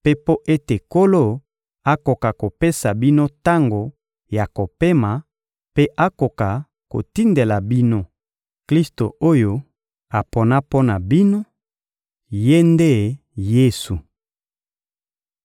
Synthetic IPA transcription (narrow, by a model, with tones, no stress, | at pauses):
pe˦po˦ʔe˦te˨ko˦lo˦ | a˦ko˨ka˨ko˨pe˦sa˨bi˦no˦ta˦ŋɡo˨ | ja˨ko˨pe˦ma˨ | pe˦ʔa˦ko˨ka˨ | ko̰˨ti˦nde˨la˨bi˦no˦ | kli˦sto˨o˦jo˦ | a˨po˨na˦po˦na˨bi˦no˦ | je˦nde˦˨ | je˦su˨